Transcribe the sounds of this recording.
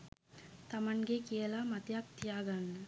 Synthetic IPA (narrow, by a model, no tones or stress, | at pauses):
t̪ɐmənɡekijəlamɐt̪jak̚t̪ijaːɡanːə